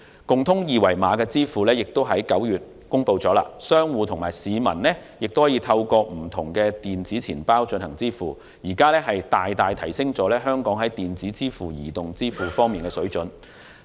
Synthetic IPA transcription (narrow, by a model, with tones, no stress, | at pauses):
kʊ˨ŋt̪ʰʊ˥ŋjiː˨wɐ˨˩jmaː˨˧˥kɛː˧t͡siː˥fuː˨lɛː˥jɪ˨k̚t̪o˥wɦɐ˨˥jkɐ˨˥wjyː˨t̚ | kʊ˥ŋpo˧wt͡sɔː˨˥la̰ː˧sœː˥ŋwuː˨˧t̪ʰʊ˨˩ŋmaː˨˩jsiː˨˧mɐ̰˨˩nlɛː˥jɪ˨k̚t̪o˥whɔː˨˥jiː˧t̪ʰɐ˧wkɔː˧m̩˨˩t̪ʰʊ˨˩ŋkɛː˧t̪iː˨nt͡siː˨˥t͡sʰiː˨˩npaː˥wt͡ʃɵ˧nhɐ̰˨˩ŋt͡siː˥fuː˨˩ | jiː˨˩kaː˥lɛː˥ɦɐ˨jt̪aː˨jt̪aː˨jt̪ʰɐ˨˩jsɪ˥ŋt͡sɔː˨˥lɛː˥ɦœː˥ŋkɔː˨˥ŋɦɐ˨˥jt̪iː˨nt͡siː˨˥t͡siː˥fuː˨jḭː˨˩t̪ʊ˨˩ŋt͡siː˥fuː˨˩fɔː˥ŋmiː˨nkɛː˧sɵ˨˥ɥt͡ʃɵ˨˥n